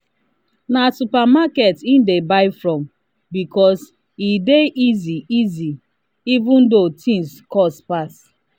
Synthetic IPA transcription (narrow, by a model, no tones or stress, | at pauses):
nasupamaketindebaɪfɹɔ̃m | bikɔs | ideʔiziizi | ivũndotʰĩŋskɔspas